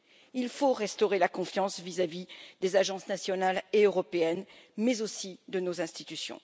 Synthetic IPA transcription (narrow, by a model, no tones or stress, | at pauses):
ilfoʁɛst̪ɔʁelakɔ̃fjɑ̃svizavid̪ezaʒɑ̃snasjɔnaleøʁɔpeɛnmɛzosid̪ənozɛ̃st̪it̪ysjɔ̰̃